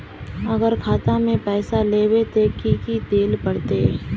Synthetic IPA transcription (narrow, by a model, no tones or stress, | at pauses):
ɐɡəɾkʰaːt̪ãmẽpɛːsaleːwet̪ʰekikid̪eːlpəɽt̪e